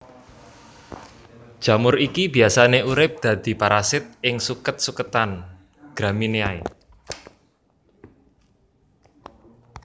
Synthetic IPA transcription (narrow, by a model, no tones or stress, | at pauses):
d̥ʒ̥ä̤mʊrikibi̤asaneʔuɾɪp̚d̪̥ä̤d̪̥i̤paɾasɪt̪̚ɪŋsukət̪̚sukət̪an | ɡ̥ɾamineai